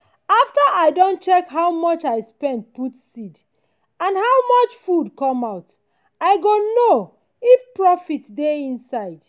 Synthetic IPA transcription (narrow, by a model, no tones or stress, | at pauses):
aftəʔaɪdõntt͡ʃɛkɦawmɔt͡ʃaɪspɛ̃nd̚putsid | ãndhawmɔt͡ʃfudkɔ̃maʊt | aɪɡono | ifpɹɔfitdeĩnsaɪd